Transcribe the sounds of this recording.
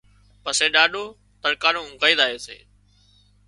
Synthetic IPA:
pəseːɗaːɗʱoː | t̪əɾkaːnõːɡaːiːd̪aːɦeːsḛː

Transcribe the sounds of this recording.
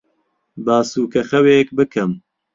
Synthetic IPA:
baːsuːkʰɐxɐweːkbɨkʰɨm

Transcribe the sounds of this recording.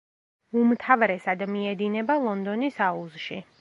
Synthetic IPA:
umt̪ʰavɾɛsad̪miɛd̪inɛbalˠɔnd̪ɔnisauzʃi

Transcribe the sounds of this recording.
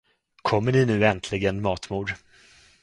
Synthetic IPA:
kʰɔmːəɳɪnʉ̟ːɛnt̪ʰlɪɡənmɑːt̪muːɖ

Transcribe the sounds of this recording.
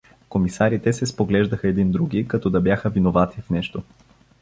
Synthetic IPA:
komisaɾit̪ɛsɛspoɡlɛʒd̪ɐxɐɛd̪ind̪ɾuɡ̟ikɐt̪ɔd̪ɐbjaxəvinovat̪ifnɛʃt̪o

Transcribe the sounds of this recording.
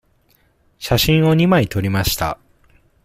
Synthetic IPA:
ɕaɕĩɰ̃o̞ɲ̟imait̪o̞ɾʲimaɕi̥t̪a̰

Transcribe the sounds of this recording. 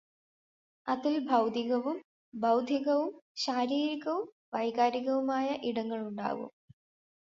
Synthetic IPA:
ɐðilbʱɐwd̪ʱiɣɐʋum | bʱɐwd̪ʱiɣɐʋumɕaːɾiːɾiɣɐʋum | ʋɐjɣaːɾiɣɐʋumaːjɐʔiɽɐŋːɐɭuɳɖa̰ːɣṵm

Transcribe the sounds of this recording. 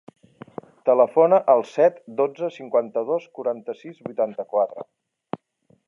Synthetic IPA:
t̪ələfonəʔəlˠsɛt̪d̪od͡zəsiŋkwant̪əð̞oskuɾant̪əsizβujt̪ant̪əkwat̪ɾə̰

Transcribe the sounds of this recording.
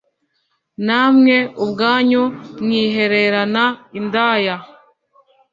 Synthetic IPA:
namŋe̞ubɡaːɲoŋiːɦe̞ɾe̞ɾanaindaːja

